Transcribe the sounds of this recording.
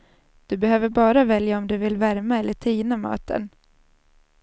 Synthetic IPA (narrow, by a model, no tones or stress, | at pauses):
d̪̥ɵbɛhøːvəɾbɑːɾavɛljaɔmd̪ɵvɪlvæɾmaɛlːəʈʰiːnamɑ̰ːt̪ə̰n